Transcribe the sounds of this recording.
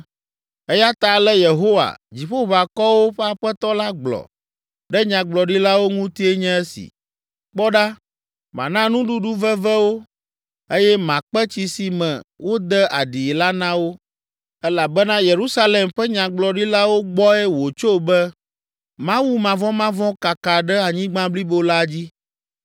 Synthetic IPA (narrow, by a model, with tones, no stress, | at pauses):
ɛ˦ja˦t̪a˨lɛ˦je˨ɦo˦wa̰˨d͡ʑi˨ɸo˦βa˨kɔ˦wo˦ɸɛ˦a˨ɸɛ˦t̪ɔ˦la˦ɡ͡blɔ̰˨ | ɖɛ˦ɲã˨ɡ͡blɔ˨ɖi˦la˦wo˦ŋũ˦t̪i˦e˦ɲɛ̃˦ɛ˦sḭ˨ | k͡pɔ˦ɖa˦ | mã̰˨nã˦nũ˦ɖu˦ɖu˦vɛ˦vɛ˦wo˦ | e˦jɛ˦mã˨k͡pɛ˦t͡ɕi˨si˨mɛ̃˨wo˦d̪ɛ˦ʔa̰˨ɖi˨la˦nã˦wo˦ | ɛ˦la˨bɛ˦nã˦je˨ɾu˦sa˦le˨mɸɛ˦ɲã˨ɡ͡blɔ˨ɖi˦la˦wo˦ɡ͡bɔ˦ɛ˦wo˨t͡ʃo˦bɛ˦ | mã˦wu˦mã˨vɔ̃˦mã˦vɔ̃˦ka˨ka˨ɖɛ˦a˨ɲĩ˦ɡ͡bã˦bli˦bo˦la˦˨d͡ʑi˦